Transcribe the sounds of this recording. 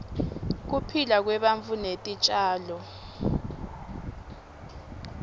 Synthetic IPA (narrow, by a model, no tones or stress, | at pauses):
k̬upʰilak̬wɛɓaɱfunetʼit͡ʃʼaːlɔ